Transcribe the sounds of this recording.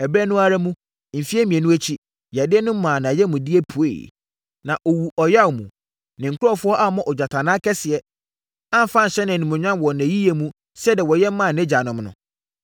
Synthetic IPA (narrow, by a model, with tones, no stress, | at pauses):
ɛ˨bɾɛ˦nʊ̃˦a˨ɾa˦mũ˦ | m̩˨fi˦ɛ˦mĩ˨ɛ̃˨nũ˦æ˦t͡ɕʰi˦ | ja˨dɪ˦ɛ˦nʊ̃˦m̩˦mã˨nã˨jɛ˦mũ˨di˦ɛ˦pʰu˨ḛ˨ | nã˨ʔɔ˨wu˨ʔɔ˨ja˦wmṵ̃˨ | nɪ̃˨ŋ̩˨kʰʊ˦ɾɔ˦fʊ˦ɔ˦ʔa˦mɔ̃˦ʔɔ˨d͡ʑᶣa˨tʰa˨nãː˦kʰɛ˦sɪ˨ɛ˦ | ã˦m̩˨fã˦n̩˨ɕɛ˦nã˨nĩ˨mʊ̃˨ɲᶣ˦ã˦˨wɔ˨næ̃˨ji˦je˨mũ˦ | sɛ˦dɛ˨wɔ˨jɛ˦m̩˦mã˦˨nɛ̃˦d͡ʑa˨nʊ̃˨mnʊ̰̃˨